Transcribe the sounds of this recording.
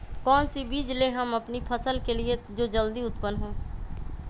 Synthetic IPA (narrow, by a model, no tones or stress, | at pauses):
kɔːnsibiːd͡ʒleɦɐmɐpnipʰəsəlkelied͡ʒoːd͡ʒəld̪iʊt̪pənɦõː